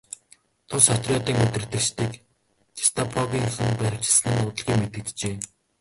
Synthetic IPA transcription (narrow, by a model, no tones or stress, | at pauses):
t̪ʰʊsɔt̪rʲɔːt̪iːŋɵt̪ɘ̆rt̪ɘ̆t͡ɕt̪iːk | t͡ɕʰi̥st̪ʰɔpʰɔɣʲiːŋxɘ̆npæɾʲɪ̥̆t͡ɕɪ̆ɮsɘ̆n̆nːʊːt̪ə̆ɮɣiːŋmet̪ɘ̆k̚t͡ɕt͡ɕeː